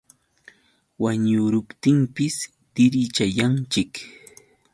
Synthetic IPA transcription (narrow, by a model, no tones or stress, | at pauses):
waɲʊɾʊpt̪ɪmpɪs | d̪̥ɪɾɪt͡ʃajant͡ʃɪk